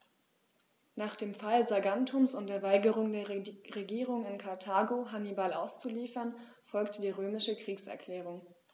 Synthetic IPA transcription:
naːχd̥eːmfalzaɡantʰʊmsʊntd̥eːɐvaɪɡəʁʊŋdeːɐʁeɡiːʁʊŋɪnkʰaɐtʰaːɡoɦanibalaʊst͡suliːfɐn | fɔlktəd̥iːʁøːmɪʃəkʁ̥iːksɛ̰ɐkl̥ɛːʁ̞ʊŋ

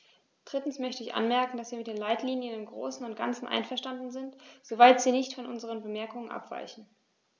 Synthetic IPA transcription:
d̥ʁ̥ɪtn̩smœçtəɪçʔa̰nmɛɐkŋ̩dasv̥iːɐmɪtd̥eːnlaɪtliːnjənɪmɡʁo̰ːsn̩ʊnt̚ɡ̥a̰nt͡sn̩ʔa̰ɪnfɛɐʃtandn̩zɪntz̥ovaɪtz̥iːnɪçtfɔnʔʊnzəʁ̞ənbəmɛɐkʊŋənʔa̰pv̥a̰ɪçn̩

